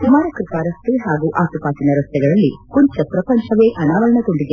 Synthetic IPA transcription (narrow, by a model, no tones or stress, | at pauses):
sumaːɾɐkɾupaːɾɐsʈ̪uɦaːɡuːʔaːt̪upaːt̪inɐɾɐst̪ɛɡɐɭɐlːikuɲt͡ʃɐpɾɐpɐɲt͡ʃʰɐʋeːʔɐnaːʋɐɭɐɳɐɡ̪oɳɖiɡe